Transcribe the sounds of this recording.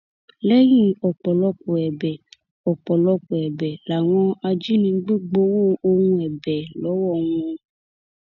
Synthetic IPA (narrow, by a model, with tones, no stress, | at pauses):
lɛ˦jĩ˦ɔ˨k͡pɔ˨lɔ˧ko˨ɛ˨bɛ˨ | ɔ˨k͡pɔ˨lɔ˧ko˨ɛ˨bɛ˨la˨w̃ɔ̃˧a˧d͡ʒi˦nĩ˧˦ɡ͡be˦ɡ͡bo˦wo˦o˧ŋũ˧ɛ˨bɛ˨lɔ˨˦wɔ˦˨w̃ũ˦ɔ̃˧